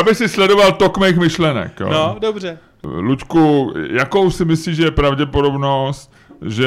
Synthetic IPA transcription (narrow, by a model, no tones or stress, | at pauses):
abɪxsɪslɛdo̞valt̪okmejxmɪʃlɛnɛ̰kjo̰ːodobrɛ | luckujako̞wsɪmɪsliːʒɛjɛpɾavɟɛpodo̞bno̞st̪ | ʒɛ